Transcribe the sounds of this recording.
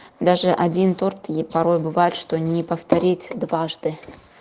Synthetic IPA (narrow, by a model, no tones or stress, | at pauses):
d̪aʐɨʔɐdʲint̪ort̪ɪpɐɾo̞jbɨvajɪt̪ʂt̪onʲɪpəft̪ɐɾʲitʲd̪vaʐd̪ɨ